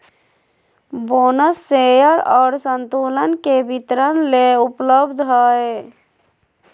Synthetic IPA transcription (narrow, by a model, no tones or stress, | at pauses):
bonəsːejəɾɔːɾsənt̪ulənkebit̪ɾənleupləbd̪ʱɦəe